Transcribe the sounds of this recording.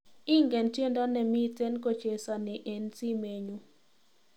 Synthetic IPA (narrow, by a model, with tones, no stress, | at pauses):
ɪ˦ŋɡɛ˨nte˦ndɔ˦nɛ˨mɪ˦te˦nko˦t͡ʃe˨sa˨nɪ˨ʔe˨nsi˦me˨ɲu˦